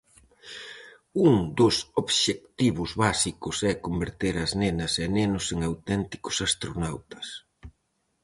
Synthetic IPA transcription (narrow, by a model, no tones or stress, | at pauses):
uŋd̪ʊsoβʃek̚t̪iβʊzβasikʊsɛkombeɾt̪eɾɐznenɐsɛnenʊseŋawt̪ɛnt̪i̥kʊ̥sast̪ɾonawt̪ɐ̥s